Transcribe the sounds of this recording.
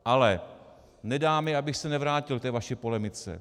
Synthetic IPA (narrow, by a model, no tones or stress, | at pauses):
ʔalɛ | nɛdaːmɛabɪxsɛnɛvɾaːcɪlt̪ɛːvaʃɪpolɛmɪt͡sɛ̰